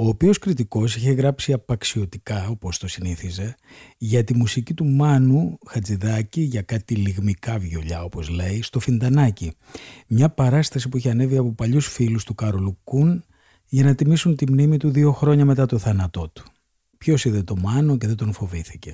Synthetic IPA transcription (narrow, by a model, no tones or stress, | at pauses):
o̞ːpio̞skɾit̪iko̞siçe̞ɣɾɐpsiɐpɐksio̞t̪ikɐo̞po̞st̪o̞siniθizeʝɐt̪imusicit̪umɐnuxɐt͡siðɐciʝɐkɐt̪iliɣmikɐvʝo̞ʎɐo̞po̞zle̞ist̪o̞find̪ɐnɐci | mɲɐpɐɾɐst̪ɐs̬ipuiçeɐne̞viɐpopɐʎusfilust̪ukɐɾolukun | ʝɐnɐt̪imisunt̪imnimit̪uðio̞xɾo̞ɲɐme̞t̪ɐt̪o̞θɐnɐt̪o̞t̪u̥ | pço̞siðet̪o̞mɐno̞ce̞ðet̪o̞nfo̞viθice̞